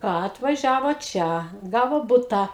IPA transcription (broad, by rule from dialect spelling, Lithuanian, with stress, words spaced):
ˈkɑː ɐtʋɐˈʒʲæːʋoː ˈt͡ʃʲɛ ˈɡɑːʋoː ˈbʊtɑː